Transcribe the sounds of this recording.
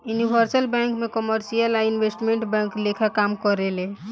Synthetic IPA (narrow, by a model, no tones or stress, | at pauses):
junibʱəɾsəlbɛ̃ŋkmekɔməɾsijəlainʋesʈmẽɳʈbɛ̃ŋklekʰakamkɔɾele